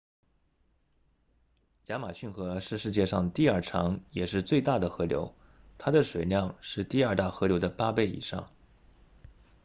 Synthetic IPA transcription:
ja˧˥ma˨˩ɕy˥˩nxɤ˧˥ʂɻ̩˥˧ʂɻ̩˥˧t͡ɕjɛ˥˧ʂɑ˥˧ŋət̪i˥˧ɐ˞˥˩ʈ͡ʂʰɑ̰˧˥ŋjɛ˨˩ʂɻ̩˥˧t͡swe˥˧ɪt̪a˥˩d̪ə˩xɤ˧˥ljo̰˧˥ʊ | t̪ʰa˥d̪ə˨ʂwe˨˩ɪljɑ˥˧ŋʂɻ̩˥˧t̪i˥˧ɐ˞˥˧t̪a˥˩xɤ˧˥ljo˧˥ʊd̪ə˧pa˥pe˥˩ɪḭ˨˩ʂɑ̰˥˩ŋ

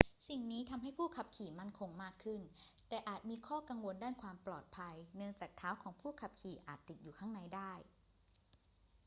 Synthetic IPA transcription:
si˨˩ŋniː˦˥t̪ʰa˧mɦa˥˩jpʰuː˥˩kʰa˨˩p̚kʰiː˨˩ma˥˩nkʰo˧ŋmaː˥˩kʰːɯ˥˩nt̪ɛː˨˩ʔaː˨˩t̪̚miː˧kʰɔː˥˩ka˧ŋwo˧ndaː˥˩nkʰwaː˧mplɔː˨˩t̪̚pʰa˧jnɯ˥˩əŋt͡ɕaː˨˩k̚t̪ʰaː˦˥wkʰɔː˩˦ŋpʰuː˥˩kʰa˨˩p̚kʰiː˨˩ʔaː˨˩t̪ːi˨˩t̪̚juː˨˩kʰa˥˩ŋna˧jdaː˥˩j

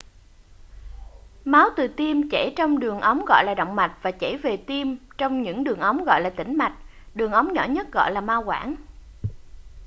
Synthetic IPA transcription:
ma˨˦wt̪ɨ˨˩t̪i˧mt͡ɕɛ˧˩t͡ɕɔ˧wŋ͡mɗɨ˨˩əŋʔə˨˦wŋ͡mɣɔ̰˧˨jlaː˨˩ɗə̰˧˨wŋ͡mma˨˩t̚vaː˨˩t͡ɕɛ˧˩ve˨˩t̪i˧mt͡ɕɔ˧wŋ͡mɲɨ̰˧˥ŋɗɨ˨˩əŋʔə˨˦wŋ͡mɣɔ̰˧˨jlaː˨˩t̪ï˧˩ŋ̟ma˨˩jk̟̚ | ɗɨ˨˩əŋʔə˨˦wŋ͡mɲɔ̰˧˩˥ɲə˦˥t̚ɣɔ̰˧˨jlaː˨˩maː˧wkwaː˧˩˥n

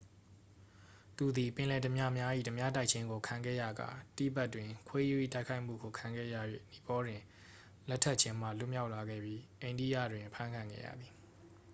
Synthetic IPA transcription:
t̪u˨d̪i˨pɪ̃˨lɛ˨də˨mja˦mja˦ʔḭ˦˨tə˨mja˦ta˦ɪʔ̚t͡ɕʰɪ̃˦ŋɡo˨kʰã˨ŋɡɛ̰˦˨ja̰˦˨ɡa̰˨tḭ˦˨ba˦ʔtwɪ̃˨kʰwe˦ju˦˨ḭ˦˨ta˦kʰa˦ɪʔm̥ṵ˦˨ɡo˨kʰã˨ŋɡɛ̰˦˨ja̰˦˨jwḛ˦˨ni˨pɔ˦dwɪ̃˨ | lɛ˦tʰːɛ˦t̚t͡ɕʰɪ̃˦m̥ä̰˦˨lʊ˦mja˦ʊʔla˨ɡɛ̰˦˨bji˦ʔẽ˨ɪ̃ndḭ˦˨jä̰˦˨dwɪ̃˨pʰã˦ŋkʰã˨ŋɡɛ̰˦˨jä̰˦˨d̪ði˨

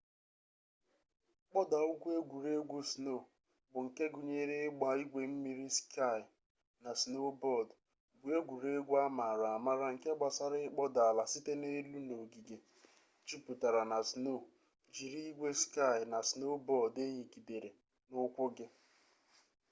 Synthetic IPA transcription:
k͡pɔ˦da˨ʊ˦ɡʷu˦e˦ɡʷu˨ɾe˦ɡʷu˦sno˦˨ | bʊ˨ŋ̩˨ke˦ɡʊ˨ɲe˦ɾe˦ɡ͡ba˨i˦ɡʷe˨m̩˦mi˨ɾi˦ska˦˨jɪ˨ | na˨si˨no˦bɔ˦˨d | bʊ˨e˦ɡʷu˨ɾe˦ɡʷa˦ma˨ɾa˨ma˦ɾa˦ŋ̩˨ke˦ɡ͡ba˨sa˦ɾɪ˦k͡pɔ˦da˨la˨si˦te˦ne˦lu˦no˨ɡi˨ɡe˨ | t͡ʃi˦pʊ˨ta˨ɾa˨na˨si˨no˦˨ | d͡ʒi˨ɾi˦i˦ɡʷe˦ska˦˨ɪ˨na˨si˨no˦bɔ˦˨de˦ɦi˨ki˨de˨ɾe˨ | nʊ˦kʷʊ˦ɡɪ˦

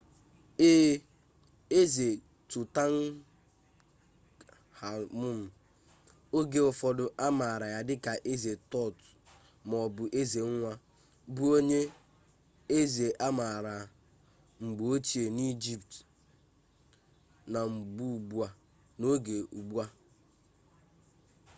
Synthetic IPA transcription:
eː˦ | e˦ze˨ | tʊ˨ta˦n̩˦ | ha˨mʊ˦m̩˨ | o˦ɡe˨ɔ˨fɔ˨dʊ˨ʔa˦ma˨ɾa˨ja˨dɪ˦ka˨ʔe˦ze˨tɔ˦˨t | mɔ˨bʊ˨ʔe˦ze˨ŋ̩˦ŋʷa˦ | bu˦o˦ɲe˦ | e˦ze˨ʔa˦ma˨ɾa˨ | ŋ͡m̩˨ɡ͡bo˨o˦t͡ʃi˨e˨ni˦d͡ʒi˦pt | na˨ŋ͡m̩˨ɡ͡bu˦u˨ɡ͡bu˦a˨ | no˦ɡe˨u˨ɡ͡bu˦a˦

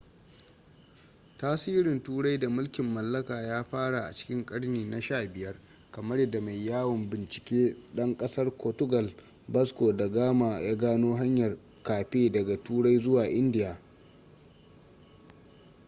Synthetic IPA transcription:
taː˦siː˦ɾɪ˨ntuː˦ɽa˦jda˨mʊ˦lkʲɪ˨mːɐ˨lːɐ˦kaː˨jaː˦ɸaː˦ɽa˨ʔa̰˨t͡ʃɪ̥˦kʲɪ˦ŋkʼɐ˦ɽniː˨na˨ʃaː˦˨bɪ˨jɐ˦r | kɐ˨mɐ˦rjɐ˦da˨ma˨jːaː˦wɐ˨mbɪ˨nt͡ʃɪ̥˨kʲeː˦ɗɐ˦ŋkʼɐ˦sɐ˦rkoː˨tʊ˦ɡɐ˨l | bɐ˦skoː˨da˨ɡaː˦ma˨jaː˦ɡaː˦noː˦ɦa˦ɲjɐ˨r | kaː˨ɸeː˦dɐ˨ɡa˨tuː˦ɽa˦jzʊ˦waː˨ʔɪ˦ndɪ˦jaː˨

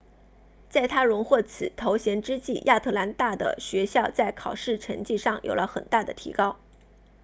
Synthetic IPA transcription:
t͡sa˥˩ɪt̪ʰa˥ɻʊ˧˥ŋxwɔ˥˩t͡sʰɹ̩˨˩t̪ʰo˧˥ʊɕjɛ˧˥nʈ͡ʂɻ̩˥t͡ɕi˥˩jʔa˥˧t̪ʰɤ˥˩la˧˥nt̪a˥˩d̪ə̰˩ɕɥɛ˧˥ɕjɑ˥˧ʊt͡sa˥˩ɪkʰɑ˨˩ʊʂɻ̩˥˩ʈ͡ʂʰɤ˧˥ŋt͡ɕi˥˧ʂɑ˥˩ŋjʔo̰˨˩ʊlə˦xə̰˨˩nt̪a˥˩d̪ə˩t̪ʰḭ˧˥kɑ˥ʊ

